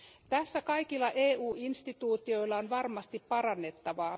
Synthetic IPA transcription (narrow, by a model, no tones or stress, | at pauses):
t̪æsːækɑjkilːɑʔeːuːinst̪it̪uːt̪io̞ilːɑonʋɑrmɑst̪ippɑɾɑnːe̞t̪ːɑʋɑː